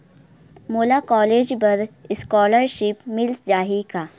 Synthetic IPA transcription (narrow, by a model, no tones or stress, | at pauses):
moːlakɔːleːd͡ʒbɐd̪ɪskɔːləɾʃɪpmɪlsd͡ʒaːɦikaː